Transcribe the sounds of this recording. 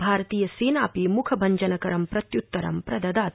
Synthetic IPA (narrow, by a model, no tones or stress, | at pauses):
bʱaːɾɐt̪iːjɐseːnaːpimukʰɐbʱɐɲd͡ʒɐnɐkɐɾɐmpɾɐt̪jut̪ːɐɾɐ̰mpɾɐd̪ɐd̪aːt̪